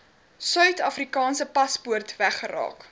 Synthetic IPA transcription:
sœɥtɐfrikɑːnsəpɐspuərtvæχəɾɑ̰ːk

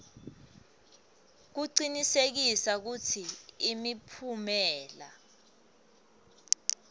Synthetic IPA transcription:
k̬uǀinisek̬isak̬utʰiːmipʰumɛːla̰

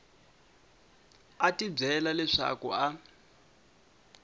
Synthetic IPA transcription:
atib͡ʐɛlalɛʂa̰kṵa

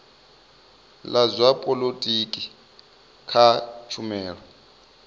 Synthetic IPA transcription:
lazʷapʼɔlotʼikʼi | kʰat͡ʃʰumɛːɺɔ

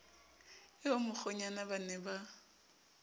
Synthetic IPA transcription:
ɪomʊk͡xʰɔɲanabanɛba

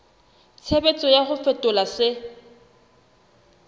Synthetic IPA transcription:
t͡sʰebet͡sʼɔjaχʊfɛtʼʊlasɪ

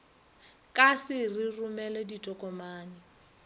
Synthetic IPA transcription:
kʼasɪrirʊmɛlɛditʼɔkʼɔmaːnɪ

